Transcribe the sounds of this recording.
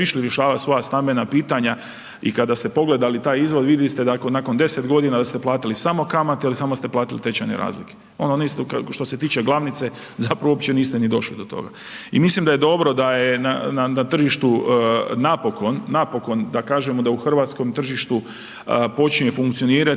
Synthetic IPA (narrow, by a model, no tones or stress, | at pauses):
iʃliɾjeʃaːʋasʋo̞jast̪ambenapiːt̪aɲa | ikad̪ast̪e̞po̞ɡle̞d̪alit̪aːjizʋo̞d̪ʋid̪jist̪ed̪aknako̞nd̪e̞set̪ɡo̞d̪inad̪ast̪eplˠaːt̪ilisamo̞kamat̪eilisamost̪eplaːt̪ilit̪et͡ɕajneɾa̰ːzlike | o̞noniːst̪kʃt̪o̞se̞t̪iːt͡ʃe̞ɡlˠaʋnit̪se̞ | zapɾaʋoopt͡ɕe̞niːst̪enid̪o̞ʃlid̪o̞t̪o̞̰ɡa̰ | imislimd̪aje̞d̪o̞bɾo̞d̪ajena̰nanat̪r̩ʒiʃt̪unapo̞ko̞nːapo̞ko̞nd̪akaːʒemod̪auxr̩ʋat̪sko̞mt̪r̩ʒiʃt̪u | po̞t͡ʃnefuŋkt̪sio̞niːɾa